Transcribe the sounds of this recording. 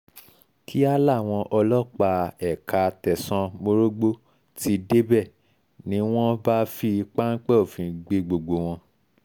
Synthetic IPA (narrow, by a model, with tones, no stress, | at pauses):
kʰi˦a˦la˦˨w̃ɔ̃˧ʔɔ˧lɔ˦k͡pa˧ɛ˨ka˨˧tɛ˨sã˧mo˧ɾo˦ɡ͡bo˦ | ti˧˦de˦bɛ˦˨ | nĩ˨˦w̃ɔ̃˦ba˦fi˧k͡pa˦ŋ̩˦k͡pɛ˦o˨fĩ˨ɡ͡be˧ɡ͡bo˨ɡ͡bo˧w̃ɔ̃˧